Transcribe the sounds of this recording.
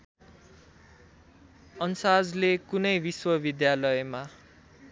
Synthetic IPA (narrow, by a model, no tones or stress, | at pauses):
ʌnsad͡zlekunʌjbiswʌbid̪jalʌjema